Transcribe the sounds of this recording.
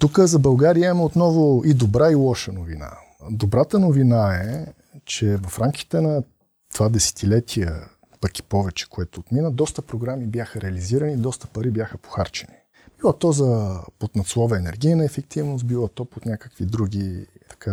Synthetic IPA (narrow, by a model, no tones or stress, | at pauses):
t̪ukəzɐbɐlˠɡaɾiəimɛot̪nɔvʊid̪obɾailˠɔʃənovina̰ | d̪obɾat̪ənovinaɛ | t͡ʃɛvɐfɾamkʲi̥t̪ɛnɐ | t̪ovad̪ɛsɛ̥t̪ilɛt̪ʰiə̰ | pəki̥pɔvɛt͡ʃɛ̥koɛt̪oːt̪minəd̪ɔst̪əpɾoɡɾamibjaxəɾɛɐliziɾənid̪ɔst̪ə̥pɐɾibjaxəpo̥xaɾt͡ʃɛni | b̥ilˠat̪ɔzɐpot̪nɐt̪slˠɔvəɛnɛɾɡ̟ʲijnəɛfɛk̚t̪ivnʊs̬bilˠɐt̪ɔpot̪nʲakə̥kvid̪ɾuɡʲit̪ɐ̥ka